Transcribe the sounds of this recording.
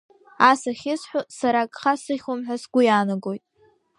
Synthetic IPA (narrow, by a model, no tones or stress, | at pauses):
asaχʲɪsħʷʊsaɾakʼχasɨχʲʊmħʷᶣasɡʷʊjaːnaɡo̞jtʼ